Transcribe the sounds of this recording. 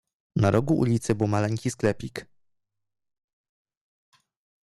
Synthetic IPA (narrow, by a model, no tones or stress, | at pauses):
naɾʔɔɡuʔṵlʲit̪sɘbɘwmalɛŋʲkʲisklɛpʲik